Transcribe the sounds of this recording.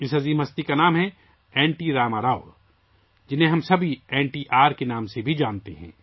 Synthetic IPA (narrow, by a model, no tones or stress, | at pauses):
ɪsɦɐziːmɦɐst̪ikanaːmɦɛ | ɛːɳʈiɾaːmaɾaːʊ | d͡ʒɪnɦẽɦɐmsɐbʱiɛːɳʈiːʔaːɾkenaːmsebʱid͡ʒaːnt̪eɦɛ̰̃ː